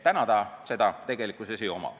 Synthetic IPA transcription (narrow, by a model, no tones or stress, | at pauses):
t̪ænɑd̪̥ɑse̞d̪ɑt̪e̞ɡ̥elikusesiomɑ̰